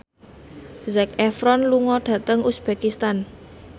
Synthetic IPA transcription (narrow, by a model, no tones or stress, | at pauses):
zɛkɛfɾɔnluŋɔɖ̥ä̤t̪əŋusb̥ekist̪an